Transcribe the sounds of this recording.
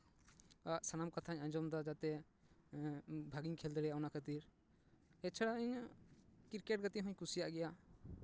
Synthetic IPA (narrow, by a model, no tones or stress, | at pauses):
aʔsanamkat̪ʰaɲaɲd͡ʒɔmd̪ɔd͡ʒat̪ɛ | bʱaɡiɲkʰɛld̪ɔɽɛjaʔɔnakʰət̪iɾ | ɛt͡ʃʰaɽaiɲ | kiɾkɛʈ̚ɡat̪iɦɔɲkusijaʔɡɛja